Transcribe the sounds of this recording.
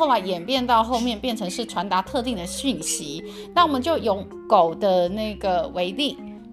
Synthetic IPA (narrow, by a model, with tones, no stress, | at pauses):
o˥˩ʊla˧˥ɪjɛ˨˩npjɛ˥˧nt̪ɑ˥˧ʊxo˥˧ʊmjɛ˥˧npjɛ˥˩nʈ͡ʂʰɤ˧˥ŋʂɻ̩˥˩ʈ͡ʂʰwa˧˥nt̪a˧˥t̪ʰɤ˥˧t̪i˥˩ŋd̪ə˩ɕy˥˩nɕi˧˦ | na˥˩wɔ˨˩mə˨˦nt͡ɕjo˥˩ʊjo˧˩˦ʊ | ko˨˩ʊd̪ə˦na˥˩ɪɡə˩we˧˥ɪli˥˩ŋ